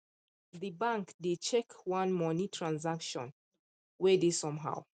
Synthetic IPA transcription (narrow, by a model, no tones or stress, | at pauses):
ðɨbãŋkdɪd̚t͡ʃɛkwãnmɔnitʰɹãnzakʃɔ̃n | wɛdisɔ̃mɦa̰w